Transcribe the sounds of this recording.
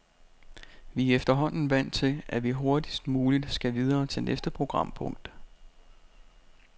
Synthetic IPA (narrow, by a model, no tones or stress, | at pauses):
ʋiefd̥ɐɦɒ̽n̰n̩ʋæn̰t͡sʰe̝ʔæʋiɦo̝ɐd̥isd̥muːlid̥sɡ̥æʋið̞ˠɐːt͡sʰe̝lnʔesd̥əpʰʁo̝ɡ̥ʁɑ̈m̰pʰɔ̽ŋ̰d̥